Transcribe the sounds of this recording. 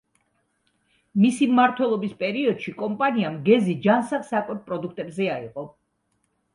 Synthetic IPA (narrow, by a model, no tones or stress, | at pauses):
misimmaɾt̪ʰwɛlˠɔbispʼɛɾiɔd̪̥ʃikʼɔmpʼaniamɡɛzid͡ʒansaχsakʼwɛp̚pʼɾɔd̪ukʰt̪ʼɛbzɛaḭqʼɔ